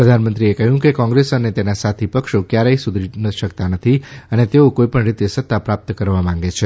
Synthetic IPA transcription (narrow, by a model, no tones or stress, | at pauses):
pɾəd̪ʱanmənt̪ɾiekəɦjũkekɔ̃ŋɡɾesənet̪enasat̪ʰipəkʃokjaɾeisud̪ʱinəʃəkt̪anət̪ʰiənet̪eokoipəɳɾit̪esət̪ːapɾap̚t̪kəɾʋamãŋɡet͡ʃʰe